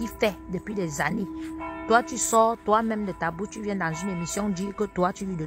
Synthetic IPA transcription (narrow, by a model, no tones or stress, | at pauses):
ifɛdəpidəzanitoat͡ʃisɔːtoamɛmdətabut͡ʃivjɛndanzundəmisjɔŋdikətoat͡ʃijidə